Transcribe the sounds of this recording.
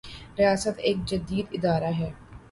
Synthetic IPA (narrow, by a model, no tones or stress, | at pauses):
ɾɪjaːsət̪eːk̚d͡ʒɐd̪iːd̪ɪd̪aːɾaɦɛː